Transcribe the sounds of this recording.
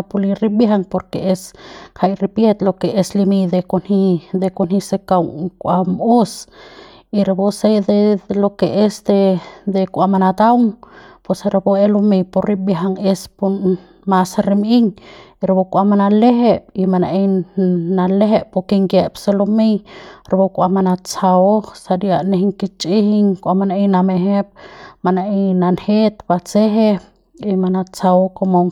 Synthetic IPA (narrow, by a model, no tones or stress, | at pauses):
apuliɾibjɦaŋpoɾkeʔeskʰajɾipjet̪lokeʔeslimid̪ekonhid̪ekonhisekawŋkʷamus | iɾabosed̪elokeʔesd̪ed̪ekʷamanat̪awŋpwesaɾaboelomejporɾibjaɦaŋespo | masaɾimiŋ | iɾbokuʔamanaleɦep̚imana̰ʔenaleɦeʔpukiŋɡepselumejɾabokuamanat͡saosadiaʔneɦiŋkit͡ʃiɦiŋkuamanainameɦep̚manaejnanhet̪pat͡seɦe | imanat͡saokomoŋ